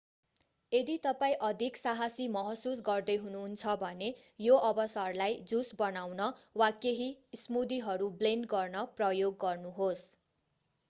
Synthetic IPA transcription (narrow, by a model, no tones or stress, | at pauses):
ed̪it̪ʌpaĩʔʌd̪ʱiksaɦasimʌɦʌsus̬ɡʌrd̪ʌjɦununt͡sʰʌbʱʌnejoʔʌbʌsarlajd͡zusbʌnawnʌwakeɦismud̪iɦʌɾublenɡʌrnʌprʌjoɡːʌrnuɦos